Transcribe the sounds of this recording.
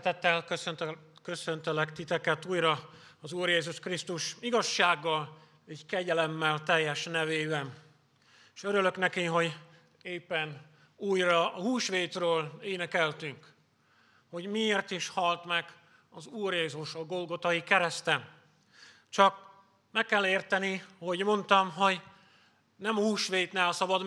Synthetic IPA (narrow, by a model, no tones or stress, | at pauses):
t̪ɛt̪ːɛlkøsønkø̞sø̞nt̪ølɛkt̪it̪ɛkɛt̪uːjrɒɒzuːrjeːzuʃkrist̪uʃiɡɒʃːaːɡːɒl | ɛckɛɟɛlɛmːɛlt̪ɛjːɛʃnɛveːbɛn | eʃøɾylø̞knɛkiɦo̞ɟ | eːpːɛn | uːjrɒɒhuːʃʋeːt̪røːleːnɛkɛlt̪yŋk | ho̞ɟmieːrt̪iʃhɒlt̪mɛɡ̥ | ɒzuːrjeːzuʃɒɡo̞lɡo̞t̪ɒjikɛɾɛst̪ɛ | t͡ʃɒk̚ | mɛkːɛlːeːrt̪ɛniho̞ɟmo̞nt̪ɒmɦo̞ɟ | nɛmɒhuːʃʋeːt̪nɛːlsɒbɒd̪